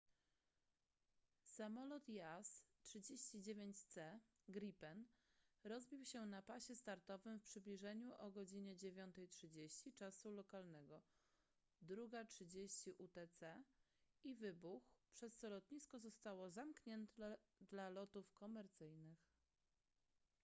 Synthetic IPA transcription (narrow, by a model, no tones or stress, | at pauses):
samɔlɔt̪jastʂɘd͡ʑeɕt͡ɕid͡ʑevʲjeɲt͡ɕt̪sɛ | ɡɾipɛnɾɔzbʲiwɕɛnapaɕɛst̪aɾt̪ɔvɘmfpʂɘblʲiʐɛɲuʔɔɡɔd͡ʑiɲɛd͡ʑevʲjɔnt̪ɛjtʂɘd͡ʑeɕt͡ɕit͡ʂasulɔkalnɛɡɔ | d̪ɾuɡatʂɘd͡ʑeɕt͡ɕiʔut̪ɛt̪sɛ | ivɘbuxpʂɛst̪sɔlɔt̪ɲiskɔzɔst̪awɔzamkɲɛnt̪d̪lalɔt̪ufkɔmɛɾt̪sɘjnɘx